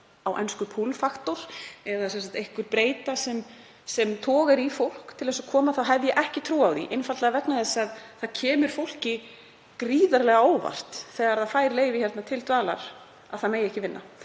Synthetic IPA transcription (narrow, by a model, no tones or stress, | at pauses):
awʔɛ̰nskʏpʰulfaxt̪ʊɾ̥ɛðasɛnsat̪ejhkʏɾpɾeːjt̪asɛm | sɛmt̪ʰɔːɣɛɾifowl̥kt̪ʰɪlðɛsɔkʰɔːmaðθawɦɛvðjɛʔɛhcɪt̪ʰɾuːawðḭʔejnfalt̪lɛɣavɛp̪naðɛsaðθaðcʰɛːmʏɾ̥fowl̥cɪ | kɾiːðaɾlɛɣaoːwva̰r̥t̪θɛːɣaɾaðfaːjɾleːjvɪçɛɾt̪nat̪ʰɪlt̪vaːlaɾ̥ | aðθaðmejɛhcɪvɪnːa̰